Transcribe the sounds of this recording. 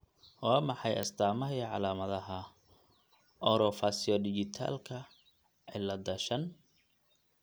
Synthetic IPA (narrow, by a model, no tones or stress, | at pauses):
waːmɑħɑjʔɐ̰st̪ʰaːmɐɦiʕɑlaːmɐðɐɦɐ | ʔɔɾɔfasiɔdɪd͡ʒɪt̪ʰa̰ːlkʰɐ | ʕɪlɐd̪ɐʃɐn